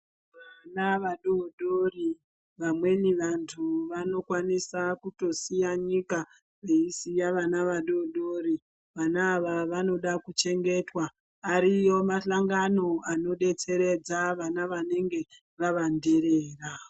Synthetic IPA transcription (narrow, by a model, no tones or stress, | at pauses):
ʋanaʋaɗoɗori | ʋamwe̞niʋantʰuʋano̞kwanisakuto̞sijaɲika | ʋeisijaʋanaʋaɗoɗoɾi | ʋanaːʋaʋano̞ɗakut͡ʃe̞ŋɡe̞twaː | ɾijo̞maɬaŋɡano̞ano̞ɗe̞t͡se̞ɾe̞d͡zaʋanaʋane̞ŋɡe̞ | ʋaʋande̞ɾeːra